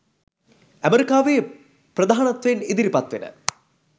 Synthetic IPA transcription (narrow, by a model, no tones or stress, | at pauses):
ɐmeɾikːaːʋe | prɐd̪ʱaːɳɐt̪ʋenid̪iɾipɐt̪ʋinɨ̰